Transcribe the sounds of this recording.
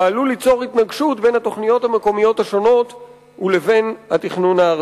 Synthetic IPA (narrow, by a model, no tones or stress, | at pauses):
alulit͡so̞ʁit̪naɡʃutbe̞nhat̪o̞χnijo̞thameko̞mijo̞taʃo̞no̞t | uleve̞nat̪iχnunhaː